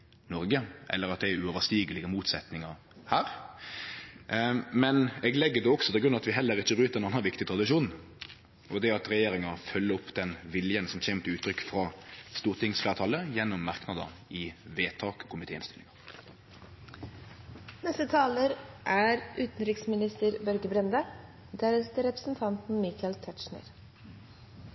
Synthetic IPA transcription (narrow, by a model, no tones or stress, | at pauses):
nɔɾɡəʔɛ̰lːəɾʁɑt̪̚d̪ɛæʉoːʋəʂt̪iːɡəlɪɡəmuːt̪sɛt̪nɪŋɑ | hæːɾ | mɛnɛɡlɛɡːəd̪ɛɔksɔt̪ʰɪlɡɾʉnɑt̪ʋɪɦɛlːəɾɪçːəbɾʉːt̪əɾɛnɑnːɑnʋɪkt̪ɪt̪ɾʁɑd̪ɪʃuːn | ɔd̪ɛɑt̪ʁɛjeːɾɪŋɑfœlːəɔpːd̪ɛnʋɪljənsɔmçeːmət̪ʰɪʉːt̪ʰːɾʏkːfʁɑst̪uːʁt̪ʰɪŋsflæːʁt̪ʰɑːləjɛnːɔmːɑʁknɑd̪ə̰ɪʋeːt̪ʰɑːkkʰʊmɪt̪ʰeːɪnst̪ɪlɪ̰ŋɑ | nɛst̪ət̪ʰɑːləɾʔæɾʔʉːt̪n̩ɾɪksmɪnɪst̪əɾbœɾɡəbɾɛnd̪ə | d̪æɾəst̪əɾɛpɾəsn̩t̪ʰɑnt̪n̩mɪkʰɑlt̪ʰæʈ̪ʃɳə̰ɾ